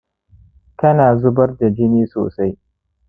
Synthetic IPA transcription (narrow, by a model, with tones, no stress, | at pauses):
kɐ˦naː˨zʊ˦bɐ˦rda˨d͡ʒɪ˦niː˦so̰ː˨sa˦j